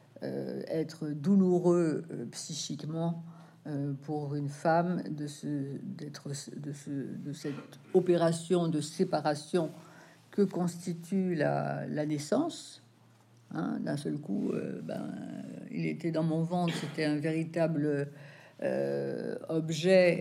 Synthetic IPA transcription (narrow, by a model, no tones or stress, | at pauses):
ø̰ɛt̪χəd̪uluʁøpsiʃikmɑ̃ | øpuʁynfamd̪əsəd̪ɛt̪χəd̪əsəd̪əsɛt̪ | ɔpeʁasjɔ̃d̪əsepaʁasjɔ̃ | kəkɔ̃st̪it̪yla̰lanɛsɑ̃s | ɛ̰̃d̪ɛ̃sœlkṵø̰ba̰ḭlḛt̪ɛd̪ɑ̃mɔ̃vɑ̃t̪set̪ɛɛ̃veʁit̪abløø̰ | ɔbʒɛ